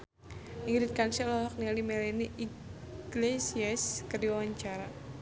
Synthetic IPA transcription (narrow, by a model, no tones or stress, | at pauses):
ʔiŋɡɾit̪̚kansɛlɔlɔk̚nialimɛlɛniʔi | ɡ̥lesiɛskərdiwawaɲt͡ʃaɾa